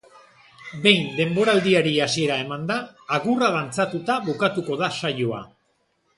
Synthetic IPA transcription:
be̞jnd̪e̞mbo̞ɾald̪iaɾiasie̞ɾae̞mand̪aːɣuraðant͡sat̪ut̪aβukat̪uko̞ðasajoa̰

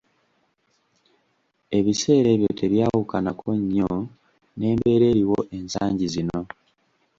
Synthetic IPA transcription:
e̞βise̞ːɾe̞βjo̞tʰe̞βjaːwukanakʰo̞ɲːo | ne̞ːmbe̞ːɾe̞ːɾiwo̞ʔe̞nsa̰ːɲɟizino̞

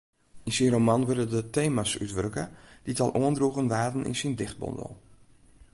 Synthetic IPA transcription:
insinromanʋørdədəteːmasy̰tʋørkə̰d̥itɑlˠʔoəndruɣənʋaːtn̩ḭnsindɪxt̚bɔ̰ndə̰lˠ

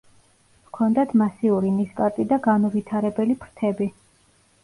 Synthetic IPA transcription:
vkʰɔnd̪at̪ʰmasiuɾiniskʼaɾt̪ʼid̪aɡanuvit̪ʰaɾɛbɛlipʰɾt̪ʰɛbi

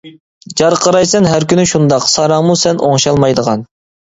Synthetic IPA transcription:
d͡ʒɑɾqʰəɾɑjsɛnɦæɾkʲynɪʃund̪ɑqsɑɾɑŋmusɛnʔoŋʃɑlˠmɑjd̪əʁɑn

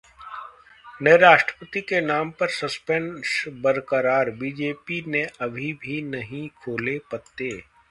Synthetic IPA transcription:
neːɾaːʃʈɾəpət̪ikenaːmpɐɾsɐspɛ̃nsbəɾkəɾaːɾbiːd͡ʒeːpineʔɐbʱibʱinɐɦĩkʰoːlepɐt̪ːeː

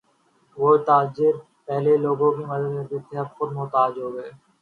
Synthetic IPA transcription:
ʋoːt̪aːd͡ʒɪɾ | pɛɦleloːɡõkiːməd̪əd̪met̪et̪ɪɦəbxʊd̪mʊt̪aːd͡ʒɦoːɡəeː

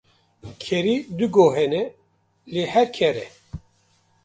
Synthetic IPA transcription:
kʰɛɾiːd̪ɨɡoɦɛnɛ | leːhɛɾkʰɛɾɛ̰

